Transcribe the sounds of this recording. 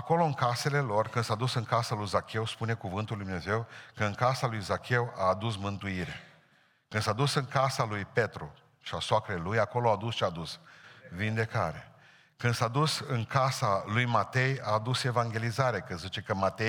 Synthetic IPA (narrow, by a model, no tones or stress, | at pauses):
ako̞lo̞ɨŋkase̞le̞lo̞rkɨnd̪sad̪usɨŋkasalujzakʲe̞wspune̞kuvɨnt̪uld̪umne̞ze̞wkəɨŋkasalujzakʲe̞waːd̪usmɨnt̪uiɾe | kɨnd̪̥sad̪usɨŋkasalujpe̞t̪ɾu | ʃasoakɾelujako̞load̪usʃiad̪usvind̪e̞kaɾḛ | kɨnd̪̥sad̪usɨŋkasalujmat̪e̞jaːd̪use̞vaŋɡʲe̞lizaɾekɨnzit͡ʃe̞kəmat̪e